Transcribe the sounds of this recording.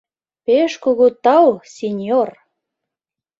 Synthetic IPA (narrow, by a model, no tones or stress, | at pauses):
peʃkuɣut̪ɑwsʲenʲjor